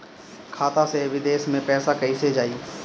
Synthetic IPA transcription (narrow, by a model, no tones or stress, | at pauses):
kʰaːt̪aseʋɪd̪eːʃmẽpɛːsakɐised͡ʒaːiː